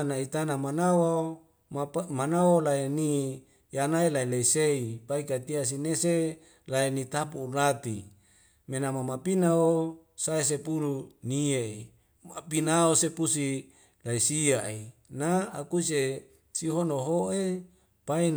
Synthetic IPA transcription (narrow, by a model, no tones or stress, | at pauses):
nait̪anamanawa | manawolaeni | janaelaileiseipaikat̪ias̬inese | laenit̪apuːlat̪i | menamamapinaosaes̬epuluniei | mapinaosepusi | laisiaʔinaakuse | siɦonoɦoʔe | pai